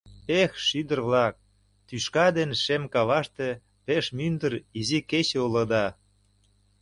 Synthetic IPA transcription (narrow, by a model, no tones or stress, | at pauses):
exʃyd̪ə̆rβlɑk̚ | t̪yʃkɑd̪enʃemkɑβɑʃt̪e | peʃmynd̪əriziket͡ɕeulɤ̆d̪ɑ